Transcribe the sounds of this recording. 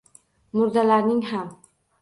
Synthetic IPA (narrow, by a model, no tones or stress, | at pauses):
mʊɾd̪alaɾnɪŋham